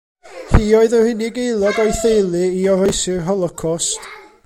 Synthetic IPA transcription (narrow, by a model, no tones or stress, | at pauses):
hiːoɨðəhɪnɪɡejlˠɔɡɔjθejlˠɨiɔɾɔjsɪrɦɔlˠɔkʰɔst